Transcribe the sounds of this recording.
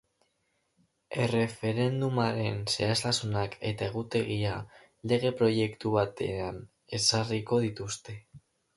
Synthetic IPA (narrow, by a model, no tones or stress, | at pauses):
e̞re̞fe̞ɾe̞nd̪umaɾe̞nse̞ast̪asunake̞t̪ae̞ɣ̞ut̪e̞ɣia | le̞ɣe̞pɾo̞je̞kt̪uβat̪ean | e̞sariko̞ðit̪ust̪e̞